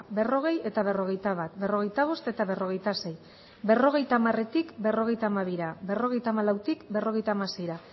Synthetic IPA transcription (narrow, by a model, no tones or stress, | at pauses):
be̞ro̞ɣ̞e̞je̞t̪aβ̞e̞ro̞ɣ̞e̞jt̪aβat̪be̞ro̞ɣ̞e̞jt̪aβ̞o̞st̪e̞t̪aβe̞ro̞ɣ̞e̞jt̪ase̞j | be̞ro̞ɣ̞e̞jt̪aːmare̞t̪ikbe̞ro̞ɣ̞e̞jt̪aːmaβiɾabe̞ro̞ɣ̞e̞jt̪aːmalawt̪ikbe̞ro̞ɣ̞e̞jt̪amase̞jɾa